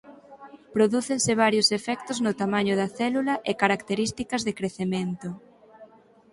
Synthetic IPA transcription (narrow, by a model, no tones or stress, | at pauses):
pɾoðuθensɪβ̞aɾjosefɛkt̪ʊznʊt̪amãɲʊðɐθɛlulɐʔekaɾakt̪eɾist̪ikɐzðekɾeθemẽnt̪ʊ